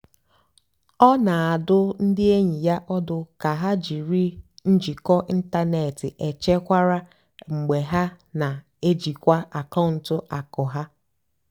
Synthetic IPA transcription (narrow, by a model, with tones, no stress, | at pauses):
ɔ˦na˨a˨dʊ˦n̩˦dɪ˦e˦ɲi˨ja˦ʔɔ˦dʊ˨ka˨ɦa˦d͡ʒi˨ɾi˦n̩˦d͡ʒi˨kɔ˦ʔi˦n̩˦ta˦ne˨tɪ˨ʔe˨t͡ʃe˦kʷa˦ɾa˦ | ŋ͡m̩˨ɡ͡be˨ɦa˦ | na˨ | e˦d͡ʒi˨kʷa˦a˨ka˦˨n̩˦tʊ˦ʔa˨kʊ˨ɦa˦